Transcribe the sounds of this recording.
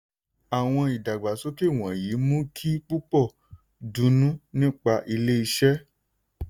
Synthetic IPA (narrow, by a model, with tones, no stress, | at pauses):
a˨w̃ɔ̃˧i˨da˨ɡ͡ba˨so˦ke˦˨w̃ɔ̃˨ji˨˦mũ˦kʰi˦k͡pu˦k͡pɔ˦˨ | dũ˨˦nũ˦nĩ˦k͡pa˧ʔi˧le˦i˧ʃɛ˦